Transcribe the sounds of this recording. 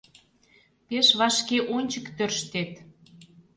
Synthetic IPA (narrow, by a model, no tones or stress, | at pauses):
peʃβɑʃkeʔonʲt͡ɕəkt̪ørʃt̪et̪